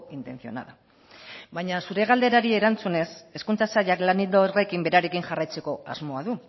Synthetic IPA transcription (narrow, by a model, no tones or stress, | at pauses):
int̪e̞nθio̞̰na̰ða | bajɲasuɾe̞ɣ̞ald̪e̞ɾaɾie̞ɾant͡sune̞se̞skunt͡sasaʎaklanild̪ore̞kimbe̞ɾaɾe̞kinʝarajt͡se̞ko̞a̰zmo̞aðu